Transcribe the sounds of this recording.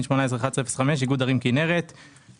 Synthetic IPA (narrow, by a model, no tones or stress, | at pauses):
nʃmo̞naes̬ʁeχad̪esʁefe̥sameʃ̬iɡud̪aʁimkineʁet̪